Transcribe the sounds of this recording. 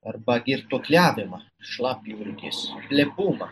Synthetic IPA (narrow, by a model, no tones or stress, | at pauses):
ɐɾbɐɡʲɪɾt̪oklʲæːʋʲɪmɐ | ʃlˠɑːpʲjulʲɡʲḛspʲlʲɛbuːmɐ